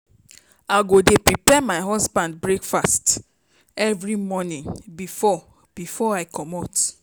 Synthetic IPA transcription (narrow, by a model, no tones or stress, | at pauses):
aɡodepɹipɛmaɪɦɔsbãnd̚bɹekfast | ɛvɹimɔnĩnbifɔ | b̥ifɔaɪkʰɔmɔt